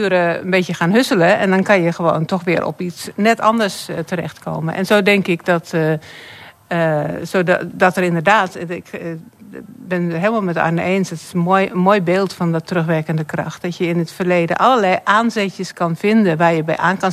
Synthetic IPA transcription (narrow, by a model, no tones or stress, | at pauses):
yəɾəə̰nbeːtjəxaːnɦøsələɛ̰ndɔnkɑnjəxəʋo̰ːntʰɔxʋɪəɾʔɔ̰pisnɛtʰɔ̰ndərstərɛ̰xtkʰo̰ːmənʔɛ̰nzoːdɛŋkɪkdɔt | əsoːdɔtərɪndərdaːtɪk | bɪnɦeːlˠmalˠmɛtɔ̰jnəʔeːnsɔtɪ̥sjəmoːjbeːlˠtfɔndɔtrøxʋɛkəndəkrɔ̰xt̚d̥ɔtjəɪnətfərleːdə̰nʔaləlɛjʔaːnzɛtjəskɑnfɪndənʋaːrjəbɛjʔaːnkɑn